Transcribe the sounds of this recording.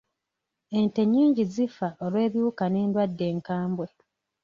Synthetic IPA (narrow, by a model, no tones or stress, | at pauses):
e̞nte̞ɲːiːɲɟizifaʔolwe̞ːβjuːkane̞ːndwadːe̞ːŋkaːmbwe̞